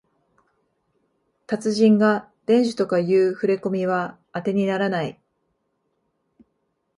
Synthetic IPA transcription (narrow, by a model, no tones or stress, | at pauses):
t̪at͡sɨʑĩŋɡa | d̪̥ẽ̞ɲʑɨ̥t̪o̞kajɯːɸɯ̟ɾe̞ko̞mʲiβaː | t̪e̞ɲ̟inaɾanai